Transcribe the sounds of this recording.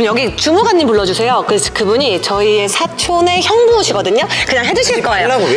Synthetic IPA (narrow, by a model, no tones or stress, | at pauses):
njʌɡit͡ɕumuɡanːimpuɭːʌd͡ʑusʰe̞jokɯesʰkɯbuɲit͡ɕʌie̞sʰat͡ɕʰone̞çjʌŋboɕʰiɡʌdɯɲokɯɲaŋɦe̞d͡ʑuɕʰiiɭk͈ʌejo